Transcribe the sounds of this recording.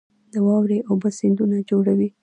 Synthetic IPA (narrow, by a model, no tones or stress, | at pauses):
d̪̥əwɑwɾeʔowbəsɪnd̪unad͡ʒoɽawi